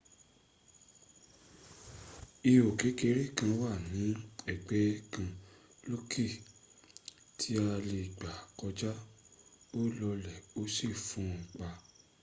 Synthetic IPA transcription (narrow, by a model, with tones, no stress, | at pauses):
i˧o˨ke˨˦ke˧˦ɾi˦kã˧wa˦˨nĩ˨˦ɛ˨ɡ͡bɛ˨˦kã˧ | lo˦ki˦˨ | tʰi˦a˧le˧˨ɡ͡ba˨kɔ˧d͡ʒa˦ | o˦lɔ˧lɛ˨o˦si˦˨fũ˨˦˨k͡pa˧